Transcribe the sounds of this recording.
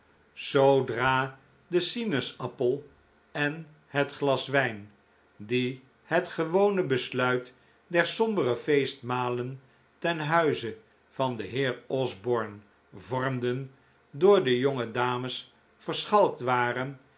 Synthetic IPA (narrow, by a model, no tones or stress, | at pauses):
z̥owdraː | dəsinəsɑpəlˠ | ɛn | ɦətχlɑsʋɛjn | di | hətχəʋownəbəslœɥt | dɛɹsɔmbərəfejstmaːlən | tɛnɦœɥzə | v̥ɑndəɦɪːɹɔzbɔɹn | vɔɹmdən | dʊːɹdəjoŋədaːməs | fəɹsχɑlˠk̚tʋaːrən